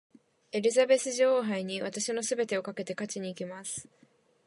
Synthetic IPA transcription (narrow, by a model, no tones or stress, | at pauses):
e̞ɾʲizabe̞sɨʑo̞ːɦaiɲ̟iβat̪aɕino̞sɨbe̞t̪e̞o̞kake̞t̪e̞kat͡ɕiɲ̟iːkʲimasɨ̥